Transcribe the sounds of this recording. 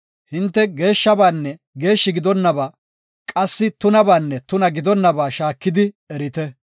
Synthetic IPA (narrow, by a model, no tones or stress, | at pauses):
hɪnt̪ːɛɡe̞ːʃːɐbaːnːɛ | ɡe̞ːʃːɪɡɪd̪ɔnːɐbaː | kʼɐsːɪt̪ʊnɐbaːnːɛt̪ʊnɐɡɪd̪ɔnːɐbaːʃaːkːɪd̪ɪ | ɛɾɪt̪ɛ